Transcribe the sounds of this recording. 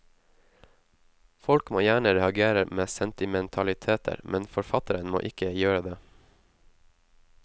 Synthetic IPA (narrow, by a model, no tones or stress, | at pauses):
fɔlkmo̰ːjæːɳəɾɛɑɡeːɾəɾmeːsɛnt̪ɪmɛnt̪ʰɑlɪt̪ʰeːt̪ʰə̰ɾmʔɛnfɔɾfɑt̪əɾənmo̰ːʔɪkəjøːɾəd̪eː